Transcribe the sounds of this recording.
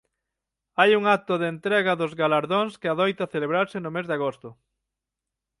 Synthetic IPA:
ajuŋak̚t̪ʊðent̪ɾɛɣɐðʊzɣalaɾðoŋskɪaðojt̪ɐθeleβɾaɾsɪnʊmezðaɣost̪ʊ

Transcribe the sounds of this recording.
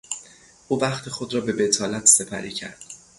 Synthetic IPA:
ʔuːvæχt̪ʰexo̞d̪ɾɒːbe̞be̞t̪ʰɒːlæt̪ʰse̞pʰæ̰ɾiːcʰæ̰ɾd̪̥

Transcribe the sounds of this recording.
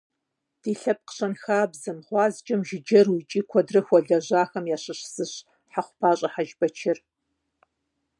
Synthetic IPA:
d̥iːɬɐp̚qə̥ɕɐnxaːbzɨmʁʷɑːzt͡ʃʼɐmʒɪd͡ʒɐrwit͡ʃʼiːkʷʰɔdrɨxʷɔɮɐʑaːxɐmjaːɕɨɕsɨɕ | ħaχʷʊpʰaːɕʼɐħaʒbɐt͡ʃʰɪr

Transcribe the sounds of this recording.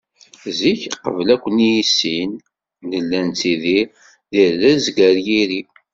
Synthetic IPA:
ziçqə̰vlækʷːənijisinː | əlːænt͡siði | ðiɾlæzɡəɾjiɾi

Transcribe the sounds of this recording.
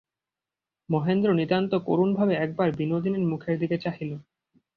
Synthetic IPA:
mɔɦend̪ɾonit̪ant̪oko̰ɾunbʱabeɛk̚baɾbinod̪ineɾmukʰeɾd̪iket͡ɕaɦilo

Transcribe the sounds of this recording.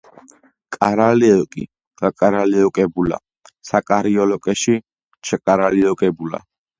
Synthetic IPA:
kʼaɾalɛɔkʼḭ | ɡakʼaɾaliɔkʼɛbula̰ | sakʼaɾiɔlɔkʼɛʃi | t͡ʃʰɛkʼaɾaliɔkʼɛbula̰

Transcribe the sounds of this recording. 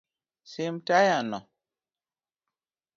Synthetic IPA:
semtajanɔ

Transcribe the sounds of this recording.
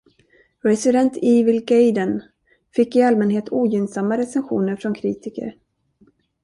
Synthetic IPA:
ɾɛsɪd̪ɛnt̪ʰɪvɪlɡejd̪ən | fɪkːɪalmɛnɦeːt̪ʰuːjʏnsamːaɾɛsɛnɧṵːnəɾfɾɔnkʰɾiːt̪ɪkə̰ɾ

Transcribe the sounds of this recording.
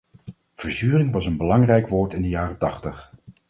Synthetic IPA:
v̥əɹzyːrɪŋʋɑsənbəlɑŋrɛjkʋoːɹtɪndəjaːrətɑχtəχ

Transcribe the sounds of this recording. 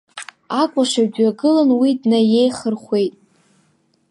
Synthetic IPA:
akʷʼaʂaɥdɥaɡɨlanwidnaje̞jχərχʷe̞jtʼ

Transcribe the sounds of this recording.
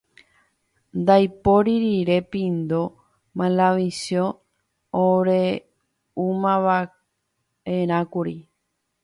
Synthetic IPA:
nd̪ajpoɾiɾiɾe̞pĩnd̪o | mãlaʋisjõː | ɾe | umãʋa | eɾ̃ãkuɾi

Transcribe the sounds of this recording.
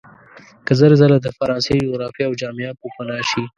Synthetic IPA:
kəzəɾezalad̪əfaɾɑnsed͡ʒoɣɾɑfijːwd͡ʒɑmijɑpopanɑʃi

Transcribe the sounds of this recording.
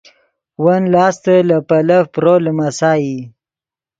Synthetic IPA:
wanlɑːst̪əlapalafpɾoləmasɑːji

